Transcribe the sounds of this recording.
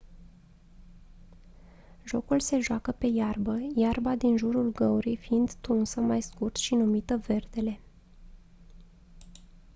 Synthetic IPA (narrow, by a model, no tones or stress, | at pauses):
ʒo̞kulse̞ʒoakəpe̞jarbəjarbad̪inʒuɾulɡəuɾijfiind̪t̪unsəmajskurt̪ʃinumit̪əve̞rd̪e̞le̞